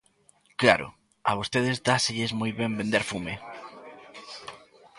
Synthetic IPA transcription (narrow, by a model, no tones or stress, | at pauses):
kla̰ɾʊ̰ | aβ̞ost̪eðezd̪aseʎezmojβembẽnd̪eɾfume